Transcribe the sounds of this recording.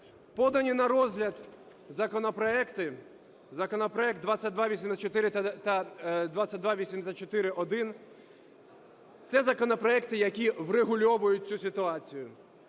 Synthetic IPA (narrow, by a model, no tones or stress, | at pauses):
pɔd̪ɐnʲinɐɾɔzʲɦlʲɐd̪ | zɐkɔnɔpɾɔɛkt̪ɪ | zɐkɔnɔpɾɔɛk̚t̪d̪ʋat͡sʲːɐt̚ʲd̪ʋaʋʲisʲimzɐt͡ʃɔt̪ɪɾɪt̪ɐd̪ʋat͡sʲːɐt̚ʲd̪ʋaʋʲisʲimsʲɐt͡ʃɔt̪ɪɾɪʔɔd̪ɪn | t̪sɛzɐkɔnɔpɾɔɛkt̪ɪjɐkʲiwreɦʊlʲɔʋʊjʊt̚ʲt͡sʲusʲɪt̪ʊɑt͡sʲijʊ